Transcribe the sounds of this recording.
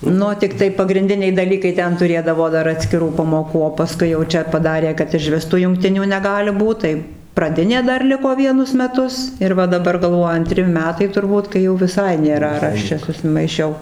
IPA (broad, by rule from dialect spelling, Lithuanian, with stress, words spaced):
ˈnʊ tʲɪkˈtɐɪ pɐɡrʲɪnʲˈdʲɪnʲɛɪ dɐˈlʲiːkɐɪ ˈtʲɛn tʊˈrʲeːdɐʋoː ˈdɐr ɐtʲsʲkʲɪˈruː pɐmoːˈkuː oː pɐˈskʊɪ jɛʊ ˈt͡ʃʲɛ pɐˈdɑːrʲeː kɐt ɪʒʲˈʋʲɪs tuː jʊŋkˈtʲɪnʲuː nʲɛˈɡɑːlʲɪ ˈbuːt tɐɪ prɐˈdʲɪnʲeː dɐr ˈlʲɪkoː ˈʋʲiɛnʊs mʲɛˈtʊs ɪr ˈʋɐ dɐˈbɐr ɡɐlˠˈʋoːjʊ ɐnʲˈtʲrʲɪ ˈmʲæːtɐɪ tʊrˈbuːt kɐɪ jɛʊ ʋʲɪˈsɐɪ nʲeːˈrɐ ɐr ˈɐʃ t͡ʃʲɛ sʊsʲɪmɐɪˈʃʲɛʊ